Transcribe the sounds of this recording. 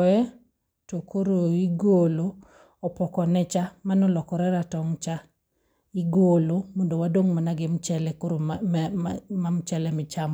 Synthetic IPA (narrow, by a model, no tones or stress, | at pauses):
ɔɛ | tokʰoɾoiɡolo | ɔpɔkɔnɛt͡ʃamanɔlɔkɔɾɛɾatɔŋt͡ʃa | iɡolomondowadoŋmanaɡɪmt͡ʃɛlɛkoɾo | mamt͡ʃɛlɛmɪt͡ʃamɔ